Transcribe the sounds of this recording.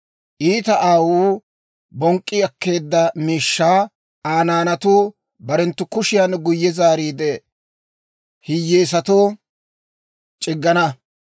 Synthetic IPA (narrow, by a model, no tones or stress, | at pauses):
ʔiːt̪ɐʔaːwuː | bɔŋkʼːɪɐkːe̞ːd̪ːɐmiːʃːaː | aːnaːnɐt̪u | bɐɾɛnt̪ːʊkʊʃɪjanɡʊjːɛzaːɾiːd̪ɛ | hɪjːeːs̬ɐt̪oː | t͡ʃʼɪɡːɐnɐ